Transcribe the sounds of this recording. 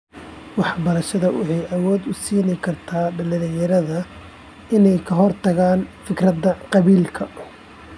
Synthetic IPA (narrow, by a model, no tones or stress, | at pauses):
wɑħɑbɐɾɐʃɐðɐwʊ̰ħɛjʔɐwɔːd̪ʊsiːnɛjkʰɐrt̪ʰaːɖɐlɪlɪjɐɾɐðɐ | ʔɪnɛjkʰɐɦɔrt̪ʰɐɣaːnfɪkrɐd̪ɐqɑβiːlkʰɐʊ